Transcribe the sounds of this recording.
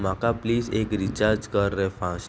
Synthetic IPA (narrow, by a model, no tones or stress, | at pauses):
makapliːd͡ʑekɾit͡ʃaɾd͡ʒkəɾːɛfãs